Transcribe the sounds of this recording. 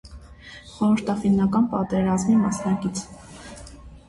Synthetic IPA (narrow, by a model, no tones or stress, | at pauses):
χɔɾəɾt̪ʰɑfinːɑkɑnpɑt̪ɛɾɑzmimɑsnɑkit͡sʰ